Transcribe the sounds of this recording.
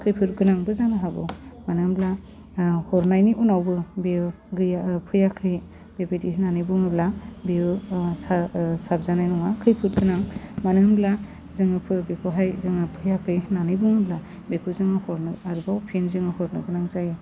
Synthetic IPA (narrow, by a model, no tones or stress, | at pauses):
kʰɯjpʰɯɾɡɯnaŋbɯzanɯɦabɯ̰manɯmbla | hɔɾnajniʔunawbɯbe | ɡɯjapʰɯjakʰɯj | b̥ebedihnanɯjbuŋɯblabeɯsasab̚zanajnɔŋakʰɯjpʰɯt̚ɡɯnaŋmanɯmbla | zɯŋɯpʰɯbekʰuɦajzɯŋapʰɯjakʰɯjhnanɯbuŋɯbla | bekʰuzɯŋɯhɔɾnɯaɾbawpʰenzɯŋɯhɔɾnɯɡɯnaŋzajɯ